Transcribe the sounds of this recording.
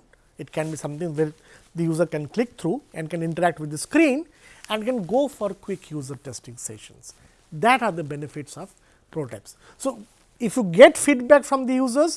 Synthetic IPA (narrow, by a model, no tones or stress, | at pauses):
ɪʈkɛ̃nbiːsʌ̃mt̪ɪ̃ŋʋeːɾd̪əjuːzəɾkɛ̃nklɪk̚t̪ʰɾuːɛ̃ɳɖkɛ̃nɪ̃ɳʈəɾæk̚ʈʋɪd̪ːəskɾĩːn | ɛ̃ɳɖkɛ̃nɡoːfɔɾkwɪkʰjuːzəɾʈesʈɪ̃ŋsḛʃə̰̃ns | d̪æʈaːɾd̪əbɛnɪfɪʈsɔʋ | pɾoːʈḛps | soː | ɪfjuːɡeʈfiɖbækfɾɔ̃md̪əjuːzəɾz